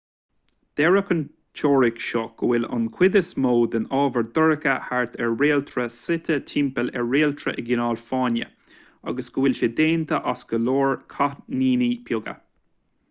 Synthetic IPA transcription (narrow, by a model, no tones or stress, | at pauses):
d̪̥ɛɹəkən | t͡ʃʰɔːɹɪkʃɔɡ̥əwɪlʊ̰nkʰwɪd̪əsmoːd̪ənɑːvəɹd̪əɹəkəhaɹt̪ʰɛɹːeːlt̪ʰɾəsɪt̪ʰətʰɪmpəlɛɹːeːlt̪ʰɾə̰ʔɪɡɪnɑːlfɑːnə̰ | a̰ɡəsɡ̥əwɪlʃəd̪eːnt̪əʔasɡ̥əloːɹkʰaniːnipʰjʊɡə̰